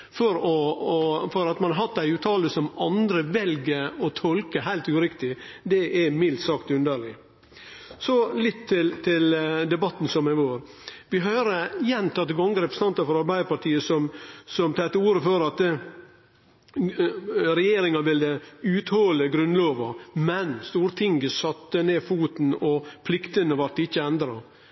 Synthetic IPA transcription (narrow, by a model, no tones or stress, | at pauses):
fɔɾɔ | fɔɾɑt̪mɑnɑɾɦɑt̪d̪æɪʉːt̪ʰɑːləsɔmɑnd̪ɾəʋɛlɡəɔt̪ʰɔlkəɦæɪlt̪ʉːɾɪkt̪ɪd̪ɛʔɛmɪlt̪sɑkt̪ʉnd̪əɭɪ | sɔlɪt̪ʰːɪlt̪ʰɪld̪ɛbɑt̪ːn̩sɔmæʋoːɾ | ʋɪɦœːɾəjɛnt̪ʰɑt̪ːəɡɑŋɡəɾɛpɾəsənɑnt̪ɑfɔɾɑɾbæɪɾpɑʈʰiːəsɔmsɔmt̪ʰɑɛt̪ːəuːɾəføːɾɑt̪ | ɾɛjeːɾɪŋɑʋɪld̪əʉːt̪hɔləɡɾʉnloːʋɑmɛnst̪uːɾt̪ʰɪŋɡəsɑt̪ːəneːfuːt̪n̩ɔpʰlɪkt̪ənəʋɑɾʈɪçːəɛnd̪ɾɑ